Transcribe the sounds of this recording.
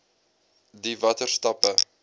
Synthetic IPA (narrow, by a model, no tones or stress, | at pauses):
divɐtərstɐpə